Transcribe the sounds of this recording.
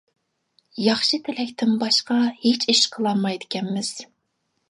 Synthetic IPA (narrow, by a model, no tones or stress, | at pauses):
jɑχʃɨt̪ʰɪlɛkʲt̪ʰɪmbɑʃqɑhet͡ʃʰiʃqʰəlˠɑmɑjd̪ɪkʲɛmːɪz̥